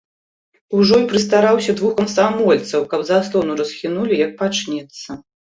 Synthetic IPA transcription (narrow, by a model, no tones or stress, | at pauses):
uʐɔipɾɨst̪aɾawsʲɐd̪vuxkɐmsamɔlʲt̪sɐwkɐbzaslˠɔnuɾɐsxʲinulʲijɐk̚pat͡ʂnʲɛt̪sːɐ